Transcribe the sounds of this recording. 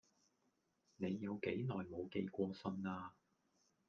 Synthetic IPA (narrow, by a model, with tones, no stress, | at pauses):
ne˨˧jːɐ˨˧wke˨˥jnɔː˨jmo˨˧wke˧jkʷɔː˧sɵ˧naː˧